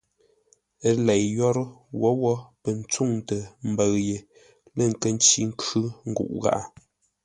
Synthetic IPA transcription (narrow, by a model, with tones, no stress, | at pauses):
ə˦lɛ˨jjɔ˦ɾwɔ˨˦wɔ˦pə˨n̩˦t͡su˦˨ŋtə˨m̩˦bə˨ɰje˨ | lə˦˨ŋ̩˨kə˦n̩˦t͡ʃi˦ŋ̩˦kʉ˦ŋ̩˦ɡṵ˨ʔɣa̰˦˨ʔa˨